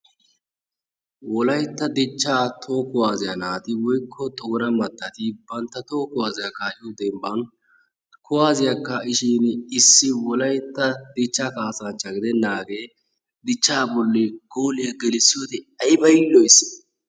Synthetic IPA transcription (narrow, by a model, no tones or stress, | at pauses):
wɔlɐjt̪ːɐd̪ɪt͡ʃːaːt̪ʰoːkʊwaːzɪjɐnaːt̪ɪwɔjkʰːɔt̪ɔɡɔnɐmɐt̪ːɐt̪ɪbɐnt̪ːɐt̪oːkʊwaːzɪjɐkːaʊd̪ɛmbɐn | kʊwaːzɪjɐkːɐɪʃiːnɪsːɪwɔlɐjt̪ːɐd̪ɪt͡ʃːaːkaːsɐnt͡ʃːɐɡɪd̪ɛnːaːɡe̞ː | d̪ɪt͡ʃːaːbɔlːeɡ̥oːlɪjɐɡɛlɪsːɪjot̪ɛ | ɐjbɐjlːɔjs